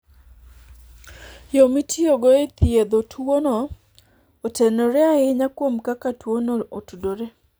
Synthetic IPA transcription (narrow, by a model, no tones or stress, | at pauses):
jomitʰioɡɔet̪ied̪otwonɔ | otenoɾeaɪɲakwomkakatwonootudoɾe